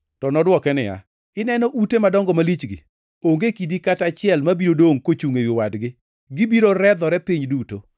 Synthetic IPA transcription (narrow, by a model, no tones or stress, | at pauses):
tɔnɔdwɔkɛnɪja̰ | ɪnɛnɔʔutemadɔŋɡɔmalit͡ʃɡɪ̰ | oŋɡekidikatat͡ʃɪɛlmabiɾodoŋkot͡ʃuŋewɪwadɡɪ | ɡɪbiɾoɾɛd̪ɔɾɛpiɲduto